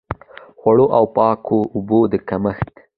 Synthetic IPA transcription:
xwaɽoʔawpɑkʰoʊbod̪əkaməxt̪

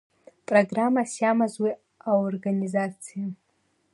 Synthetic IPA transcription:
pʼroɡramasjamazwi | aorɡanizat͡sʰija

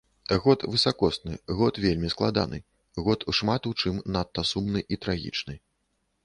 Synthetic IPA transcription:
ɣɔt̪vɨsakɔsnɨɣɔt̪vʲelʲmʲisklˠad̪a̰nɨ̰ | ɣɔt̪uʂmat̪ut͡ʂɨmnat̪ːɐsumnɨʔit̪ɾaɣʲḭt͡ʂnɨ

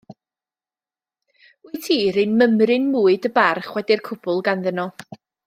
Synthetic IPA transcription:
iɨtʰiːɾɨnməmrɪnmuːɨdəbarχwɛdɪrkʰʊb̥ʊlˠɡanðənɔ

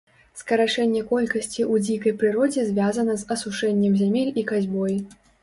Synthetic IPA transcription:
skɐɾat͡ʂɛnʲːɛkɔlʲkɐsʲt͡sʲiʔud͡zʲikɐjpɾɨɾɔd͡zʲɛzʲvʲazɐnɐzɐsuʂɛnʲːɛmzʲamʲilʲikazʲbɔji

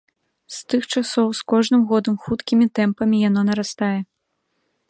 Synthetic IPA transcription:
st̪ɨxt͡ʂasɔwskɔʐnɨmɣɔd̪ɐmxut̪kʲimʲit̪ɛmpɐmʲijan̪ɔnɐɾast̪ajɛ

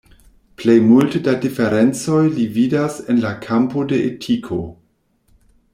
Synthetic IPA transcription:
plejmultedadife̞ɾent͡so̞jlividasenlakʰampo̞de̞ʔetʰikʰo̞

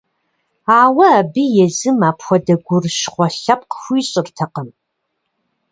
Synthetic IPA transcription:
aːwɐːbijɛzɨmaːpʰxʷɔdɐɡʷʊrʃχʷɔɬap̚ʼqxʷiːɕʼɪrtʰɐqəm

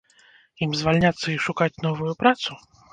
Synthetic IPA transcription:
imzvalʲnʲat̪sːɐiʂukat͡sʲn̪ɔvujupɾat̪su

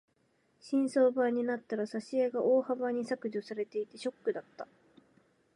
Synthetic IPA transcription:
ɕĩɰ̃so̞ːbaɲ̟inat̪ːaɾasaɕieɡaʔo̞ːhabaɲ̟isakɯ̟ʑosaɾe̞t̪e̞it̪e̞ɕo̞kːɯ̟d̪at̪ːa

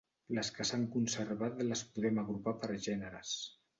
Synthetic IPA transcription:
ləskəsaŋkunsəɾβat̪ləspuðɛməɣɾupapəɾʒɛnəɾə̰s

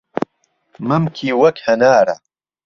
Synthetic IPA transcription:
mɐmkʰiːwɐkhɐnaːɾɐ̰

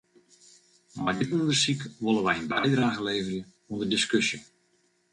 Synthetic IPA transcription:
mardɪtundərsikʋolˠəʋɛjənbɛjdraːɣəleːvərjə | undərdɪskøsjə

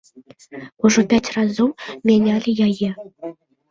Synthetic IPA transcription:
uʐɤ̆pʲætʲrɑzummʲenʲɑlʲɘ̆jɑjĕ

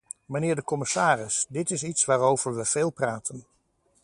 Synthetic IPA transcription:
mənɪːɹdəkɔmɪsaːrɪsdɪtɪsitsʋaːɾowvəɹʋəv̥eːlˠpraːtʰən

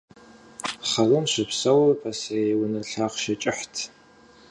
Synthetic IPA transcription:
χɐlɨmɕʷɪpsɐwɐrpʰɐsɐwʊnɐɬaːqʃɐt͡ʃʼɪħtʰ

